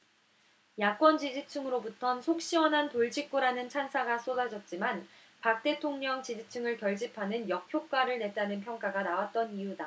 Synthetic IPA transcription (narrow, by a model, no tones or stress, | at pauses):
jak͈wʌnd͡ʑid͡ʑit͡ɕʰɯŋɯɾobutʰʌnsʰok̚ɕ͈iwʌnɦantoɭd͡ʑik̚k͈uɾanɯnt͡ɕʰansʰaɡas͈odad͡ʑʌt̚t͡ɕ͈iman | pak̚t͈e̞tʰoŋɲʌŋt͡ɕid͡ʑit͡ɕʰɯŋɯɭkjʌɭd͡ʑipʰanɯnjʌkʰjok͈̚aɾɯɭne̞t͈anɯnpʰjʌŋk͈aɡanawat̚t͈ʌnijuda